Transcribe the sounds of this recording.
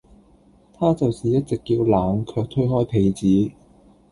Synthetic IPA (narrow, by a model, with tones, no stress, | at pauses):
t̪ʰaː˥t͡sɐ˨wsiː˨˩jɐ˥t̚t͡sɪ˨kjiː˧wlaː˨˧ŋkʰœː˧k̚t̪ʰɵ˥ɦɔː˥jpʰe˨˧jt͡siː˨˥